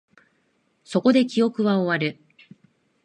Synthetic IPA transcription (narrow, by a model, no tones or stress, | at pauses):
so̞ko̞d̪e̞kʲio̞kɯ̟βao̞βaɾɯ̟